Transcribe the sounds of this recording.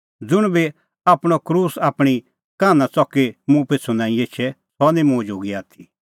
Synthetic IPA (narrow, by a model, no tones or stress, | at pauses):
d͡zʊɽ̃bi | aːpɽ̃ɔkɾuːsaːpɽ̃i | kaːnãt͡sɔkemũpet͡sʰunãːĩeːt͡ʃʰɛsɔnĩmũd͡ʒʱoːɡiaːt̪ʰi̥